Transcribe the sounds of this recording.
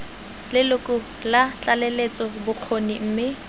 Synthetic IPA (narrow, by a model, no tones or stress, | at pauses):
lɪlʊkʼʊ | lat͡ɬʼalelet͡sʼɔbʊq͡χʰonim̩ːmɪ